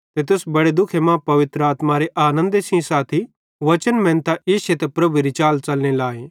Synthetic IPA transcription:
t̪et̪̬ʊsbɐɽed̪ʊkʰemãpɐʋɪt̪ɾəaːt̪maɾeʔaːnə̃nd̪esĩsaːt̪ʰi | ʋɐt͡ʃənmɛ̃ːnt̪aʔeːʃet̪epɾɐbuɾit͡ʃaːlt͡ʃɐlñelaːe

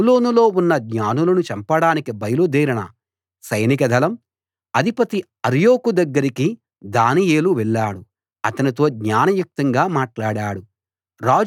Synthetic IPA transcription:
loːnulo̞ːunːɐɡɲaːnulɐnut͡ʃɐmpɐɽaːnikibɐjɐlud̪iːɾɐɳɐ̰ | sɐjnikɐd̪ʱɐlɐm | ɐd̪ʱipɐt̪i | ɐɾjo̞ːkud̪ɐɡːɐɾiki | d̪aːnijeːluʋɛɭːaːɽu | ɐt̪ɐnit̪o̞ːɡɲaːnɐʋjuk̚t̪ɐŋɡaːmaːʈlaːɽaːɽu | ɾaːd͡ʒ

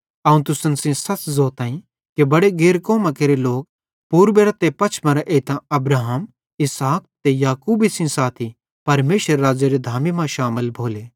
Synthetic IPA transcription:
ɐũt̪ʊsənsĩsɐt͡ʃzoːt̪ãːĩ | kebɐɽeɡeːɾkoːmakeːɾeloːk̚ | puːɾbeːɾɐt̪epɐːt͡ʃʰmɐ̃ɾaʔeːt̪ãɐbɾaːɦəm | ɪsaːk̚t̪ejaːkuːbisĩsaːt̪ʰi | pɐɾmeːʃəɾːaːd͡ʒeɾed̪ʱaːmimãʃaːməlbʱoːleː

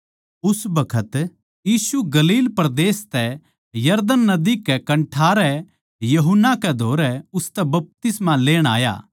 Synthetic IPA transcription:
ʊsbɐkʰət̪ | jiːsuɡɐliːlpɾɐd̪eːst̪ɛ | jɐɾd̪ənːɐd̪ikɛkɐ̃ɳʈʰaːɾɛ | jɐɦʊnːakɛd̪ʱoːɾɛʊst̪ɛbɐp̚t̪ɪsmãleːɽ̃a̰ːja̰ː

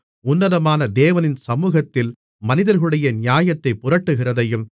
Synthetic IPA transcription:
ʊnːɐðɐmaːnɐd̪eːʋɐnɪnsɐmuːɣɐt̪ːɪl | mɐnɪðɐɾɣɐɭɯɽɐjɐnɪjaːjɐt̪ːɐɪpːʊɾɐʈːɯɣɪrɐðɐjɯm

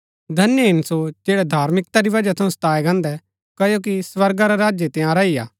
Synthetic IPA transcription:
d̪ʱɐnjɦɪnsod͡ʒeːɽɛd̪ʱaːɾmɪk̚t̪aɾiʋɐd͡ʒat̪ʰɐũst̪aːɛɡɐ̃ːnd̪ɛ | kɐjok̬isʋɐɾɡaɾaɾaːd͡ʒjet̪ɪjãɾɐiːa̰ː

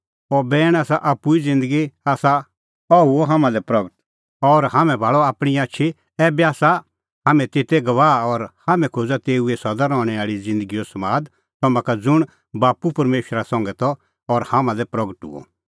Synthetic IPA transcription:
ɔbɛːɽ̃aːsaʔapːuid͡zɪ̃nd̪əɡiaːsa | ɔɦuoɦaːmãlɛpɾɐɡəʈ | ɔɾhaːmɛ̃bʱaːɭɔaːpɽ̃iaːtːt͡ʃʰi | ɛːbaːsa | ɦaːmɛ̃t̪et̪ɛɡɐʋaːɔɾhaːmɛ̃kʰoːd͡zat̪eːuɛsɐd̪aɾɔːɽ̃ɛaːɭid͡zɪ̃nd̪əɡijosɐmaːd̪ | t̪ɐmãkad͡zʊɽ̃ | baːpupɐɾmeːʃɾasɐ̃ŋɡɛt̪ɔ | ɔɾhaːmãlɛpɾɐɡəʈṵo̰

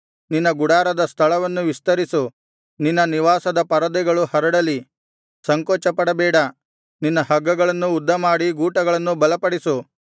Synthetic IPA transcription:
ninːɐɡuɽaːɾɐd̪ɐst̪ʰɐɭɐʋɐnːuʋist̪ɐɾisu | ninːɐniʋaːsɐd̪ɐpɐɾɐd̪ɛɡɐɭuhɐɾɐɽɐli | sɐŋkɔːt͡ʃɐpɐɽɐbɛːɽɐ | ninːɐɦɐɡːɐɡɐɭɐnːuːd̪ːɐmaːɽiɡuːʈɐɡɐɭɐnːubɐlɐpɐɽisu

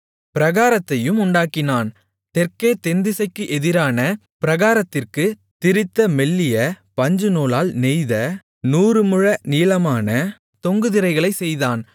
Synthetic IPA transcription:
pɪɾɐɣaːɾɐt̪ːɐjɯmʊɳɖaːkːɪnaːn | t̪ɛrkeːt̪ɛnd̪ɪsɐɪkːɯʔɛðɪɾaːnɐ | pɪɾɐɣaːɾɐt̪ːɪrkɯ | t̪ɪɾɪt̪ːɐmɛɭːɪjɐ | pɐɲd͡ʒɯnoːlaːlnɛɪjðɐ | nuːrɯmɯɻɐniːlɐmaːnɐ | t̪ɔŋɡɯðɪɾɐɪɣɐɭɐɪsɛjðaːn

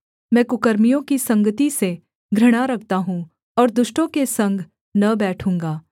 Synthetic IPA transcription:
mɛ̃ːkʊkəɾmijõkisɐ̃ŋɡət̪ise | ɡʱɾɐɽ̃aɾɐkʰt̪aɦũ | ɔːɾd̪ʊʃʈõkesɐ̃ŋɡʱ | nɐbɛːʈʰũːŋɡaː

